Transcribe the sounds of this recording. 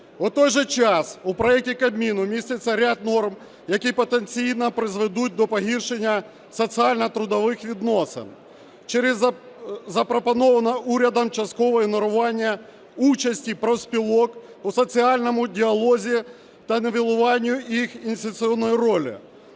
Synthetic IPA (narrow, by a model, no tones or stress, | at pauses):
ʊt̪ɔjʒɛt͡ʃɑsupɾɔɛk̚tʲikɐbʲmʲinʊmʲisʲt̪ʲɪt͡sʲːɐɾʲad̪̚nɔrm | jɐkʲipɔt̪ent͡sʲijnɐpɾɪzʋed̪ut̚ʲd̪ɔpɔɦirʃenʲːɐ | sɔt͡sʲiɑlʲnɐt̪ɾʊd̪ɔʋɪxʋʲid̪nɔsɪ̰n | t͡ʃɛɾɪz | zɐpɾɔpɔnɔʋɐnɐʔuɾʲɐd̪ɐmt͡ʃɐst̪̚kɔʋɔjinɔɾʊʋɑnʲːɐ | ut͡ʃɐsʲtʲipɾɔwsʲpʲilˠɔk | ʊsɔt͡sʲiɑlʲnɔmʊdʲiɐlˠɔzʲi | t̪ɐneʋʲilˠʊʋɑnʲːʊixinʲsʲt̪ʲɪt͡s̪ʲiɔnːɔjiɾɔlʲɪ̰